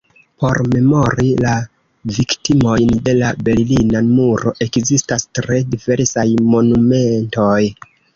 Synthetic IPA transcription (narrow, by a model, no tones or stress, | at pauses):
po̞ɾme̞mo̞ɾila | viktimo̞jnde̞labe̞ɾlinamuɾo̞ʔe̞kzistastɾedive̞ɾsajmo̞nume̞nto̞j